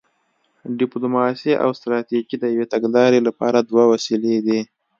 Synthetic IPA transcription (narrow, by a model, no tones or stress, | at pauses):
ɖɪplumɑsiʔa̰wst̪ɾɑt̪iɡid̪əjawet̪aɡlɑɾelapɑɾad̪wawasiled̪i